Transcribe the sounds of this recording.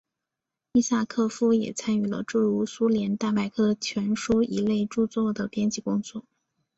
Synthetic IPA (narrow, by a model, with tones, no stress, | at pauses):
i˥˧sa˥˧kʰɤ˥˧fu˥jɛ̰˨˩t͡sʰa˥ny˥˩lə̰˧ʈ͡ʂɻ̩˥˩ɻu˧˥su˥ljɛ˧˥nt̪a˥˩ma˥˩ɪkʰɤ˥˩t͡ɕʰɥɛ˧˥nʂu˥i˧˥le˥˧ɪʈ͡ʂu˥˧t͡swɔ˥˩d̪ə˩pjɛ˥nt͡ɕi˥˩kʊ˥ŋt͡swɔ˥˩